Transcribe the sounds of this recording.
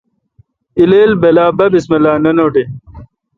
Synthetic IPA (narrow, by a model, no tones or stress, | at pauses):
ileːlbelaːbɐbismɐlaːnɐnoːʈe